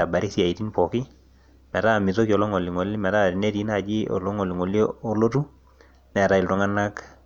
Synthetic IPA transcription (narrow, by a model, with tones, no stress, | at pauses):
a˨ba˨ɾɪ˦si˦a˨i˨ti˦npɔ˨kɪ˦ | mɛ˨ɾa˦˨mɪ˨to˦ki˨ɔ˨lɔ˦ŋɔ˨lɪ˨ŋɔ˨lɪ˦mɛ˨ɾa˦˨ti˨ne˦ti˨˦na˦˨d͡ʒɪ˦ɔ̰˨lɔ˦ŋɔ˨lɪ˨ŋo˨ljɔː˦lo˦tu˦ | nɛ˨ɾa˨ɪ˨ltɔ˦ŋa˦na˦k